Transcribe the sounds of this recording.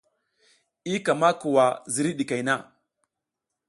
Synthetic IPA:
i˦ka˨ma˦ku˨wa˨zi˨ɾi˦ɗi˨ka˨jna˦˨

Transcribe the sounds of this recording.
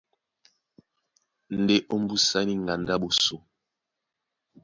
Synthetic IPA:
n̩˨de˦ʔo˦m̩˦bu˦sa˦ni˦ŋɡa˨nda˦ɓo˨so˨

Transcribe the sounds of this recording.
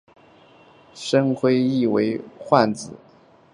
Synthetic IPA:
ʂə˥ŋxʰwe˥ɪi˥˩we˧˥ɪxwa˥˩nt͡sɹ̩˨˩˦

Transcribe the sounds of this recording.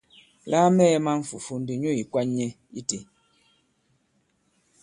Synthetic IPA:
laː˦mɛː˦ma˦ɱ̩˦fṵ˨fu˨n̩˦di˨ɲo˦i˨kwa˦ɲːɛ˦ | i˦te˨

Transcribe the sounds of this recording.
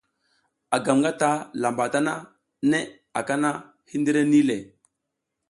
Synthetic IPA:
a˨ɡa˨mŋɡa˦ta˦la˨mba˨ta˦na˦ | ne˦ | a˨ka˦na˦ | hi˦ndə˦ɾe˦ni˦le˨

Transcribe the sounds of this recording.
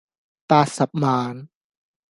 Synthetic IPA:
t̪aː˧sa˨˩p̚maː˨˧˦n

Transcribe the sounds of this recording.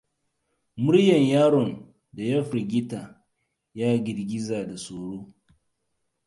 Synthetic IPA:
mʊ˦ɽjɐ˨ɲjaː˦ɽɔ˨n | da˨jɐ˦ɸɾi˨ɡʲɪ˦ta˨ | jaː˦ɡʲɪ˨ɽɡʲɪ˦zaː˨da˨soː˨ɽoː˦

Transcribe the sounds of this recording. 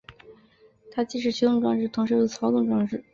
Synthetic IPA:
t̪ʰa˥t͡ɕi˥ʂ̬ɻ̩˥˩t͡ɕʰy˧˥t̪ʊ˥˩ŋʈ͡ʂwɑ˥˧ŋʈ͡ʂɻ̩˥˩t̪ʰʊ˧˥ŋʂo˥d̪ə˨˩t͡sʰɑ˧˥ʊt̪ʊ˥˧ŋʈ͡ʂwɑ˥˧ŋʈ͡ʂɻ̩˥˩

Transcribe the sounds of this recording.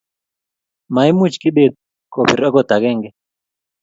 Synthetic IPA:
ma˨i˦mu˦t͡ʃki˦ɓe˦˨t̪̚ | kɔ˨pi˨ɾa˦kɔ˦d̪a˨kɛ˦˨ŋɡɛ˦

